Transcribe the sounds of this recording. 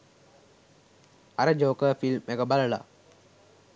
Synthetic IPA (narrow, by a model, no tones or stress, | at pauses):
aɾəd͡ʒoːkəfilmekəbaləla̰